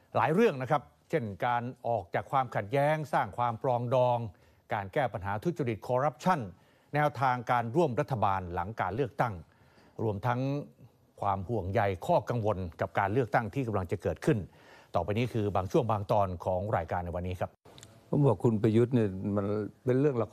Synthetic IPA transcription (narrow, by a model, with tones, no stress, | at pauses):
la̰ː˨˩˦jɾɯ˥˩əŋna˦˥kʰɾa˦˥p̚t͡ɕʰe˥˩nkaː˧nʔɔː˨˩k̚t͡ɕaː˨˩kʰwaː˧mkʰa˨˩t̪̚jɛː˦˥ŋsaː˥˩ŋkʰwaː˧mplɔː˧ŋdɔː˧ŋ | kaː˧nkɛː˥˩pa˧nɦaː˩˦t̪ʰu˦˥t̪̚t͡ɕa˧ɾi˨˩t̪̚kʰɔː˧ɾa˦˥p̚t͡ɕʰa˥˩nː | ɛː˦˥wt̪ʰaː˧ŋkaː˧nɾu˥˩əmɾa˦˥t̪ʰːa˧baː˧nla˩˦ŋkaː˧nlɯ˥˩ək̚t̪a˥˩ŋ | ɾu˧əmt̪ʰa˦˥ŋ | kʰwaː˧mhu˨˩əŋja˧jkʰɔː˥˩ka˧ŋwo˧nka˨˩p̚kaː˧nlɯ˥˩ək̚t̪a˥˩ŋt̪ʰiː˥˩ka˧mla˧ŋt͡ɕa˨˩kɤː˨˩t̪̚kʰɯ˥˩n | t̪ɔː˨˩pa˧jniː˦˥kʰɯː˧baː˧ŋt͡ɕʰu˥˩əŋbaː˧ŋt̪ɔː˧nkʰɔː˩˦ŋɾaː˧jkaː˧nːa˧jwa˧nːiː˦˥kʰa˦˥p̚pʰo˩˦mbɔː˨˩kʰu˧npʰa˧ju˦˥t̪̚niː˥˩ma˧npe˧nɾɯ˥˩əŋla˧k